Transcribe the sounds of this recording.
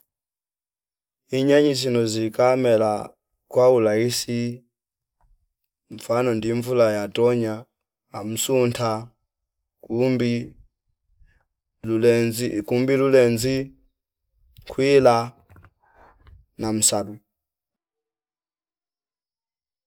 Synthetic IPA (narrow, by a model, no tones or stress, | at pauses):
iɲaɲis̬inɔzikamɛla | kwaulaisi | ɱ̩fanɔndiɱvulajatɔɲaː | m̩suntʰa | mbi | likumbilulɛnzi | kʰwila | nam̩salu